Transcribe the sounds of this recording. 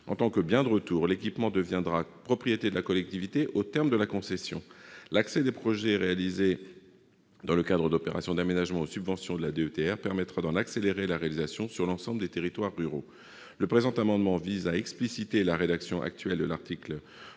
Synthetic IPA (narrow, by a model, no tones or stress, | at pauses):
ɑ̃t̪ɑ̃kəbjɛ̃d̪əʁət̪uːʁlekʲipmɑ̃d̪əvjɛ̃d̪ʁapχɔpχijet̪ed̪əlakɔlɛk̚t̪ivit̪eʔot̪ɛʁmd̪əlakɔ̃sɛsjɔ̰̃laksɛd̪epχɔʒɛʁealize | d̪ɑ̃ləkad̪ʁəd̪opeʁa̰sjɔ̃d̪amenaʒmɑ̃osybvɑ̃sjɔ̃d̪əlad̪eøt̪eɛʁpɛʁmɛt̪χad̪ɑ̃nakseleʁelaʁealizasjɔ̃syʁlɑ̃sɑ̃bləd̪et̪eʁit̪waʁːyʁo | ləpχezɑ̃t̪amɑ̃d̪mɑ̃vizaɛksplisit̪elaʁed̪aksjɔ̃ʔa̰k̚t̪ɥɛld̪əlaʁt̪ikl